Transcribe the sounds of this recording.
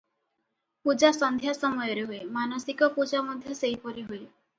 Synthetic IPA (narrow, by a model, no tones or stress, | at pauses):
pud͡ʒasɔnd̪ʱjasɔmɔjɔɾeɦoemanɔsikɔpud͡ʒamɔd̪ʱjɔsejpɔɾiɦue